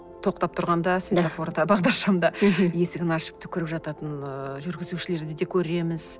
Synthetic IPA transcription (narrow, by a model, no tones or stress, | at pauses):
t̪ʰo̞q̚t̪ɑp̚t̪ʰʊɾʁɑnd̪ɑsvʲet̪afo̞ɾd̪ɑbɑʁd̪ɑɾʃɑmd̪ɑje̞sɪɡʲɪnɑʃɪ̥p̚t̪ɪ̥kʲʰʏɾɪpʒɑt̪ɑt̪ənʒʏɾɡʲɪzuʃɪle̞ɾd̪ɪd̪e̞kʲʰɵɾe̞mɪz̥